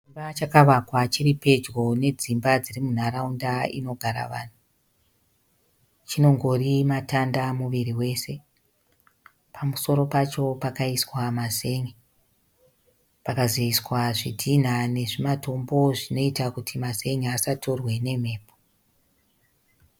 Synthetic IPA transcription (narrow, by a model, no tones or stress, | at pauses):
imbat͡ʃakaʋakwat͡ʃiripe̞d͡ʒɣo̞ne̞d͡zimbad͡zirimun̤aɾaundaḭno̞ɡʱaɾa̰ʋa̰ːn̤u | t͡ʃino̞ŋɡo̞rimatandamuʋiriwe̞se̞ | pʰamuso̞ɾo̞pat͡ʃo̞pakaiswamaze̞ŋe | pakazeiswaʐidʱin̤ane̞ʐimato̞mbo̞ʐino̞itakutʰimaze̞ŋeasato̞rwe̞ne̞m̤e̞ːpʰo̥